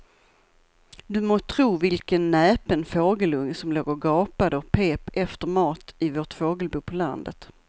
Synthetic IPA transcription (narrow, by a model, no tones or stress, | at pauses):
d̪ɵmoːt̪ʰɾuːvɪlkənːɛːpənfoːɡəlɵŋːsɔmloːɡəɾɡɑːpad̪əɔpʰeːpɛft̪əɾmɑːt̪ɪvoːʈfoːɡəlbuːpʰɔla̰nd̪ə̰t̪